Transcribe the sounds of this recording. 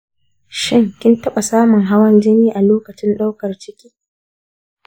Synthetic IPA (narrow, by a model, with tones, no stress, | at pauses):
ʃɪ˦ŋkʲɪ˦ntɐ˦ɓa˨saː˦mʊ˨ŋɦa˦wɐ˦nd͡ʒɪ˦niː˦ʔa˨loː˦kɐ˨t͡ʃɪ˦nɗa˦wkɐ˨rt͡ʃɪ˦kʲi̥ː˦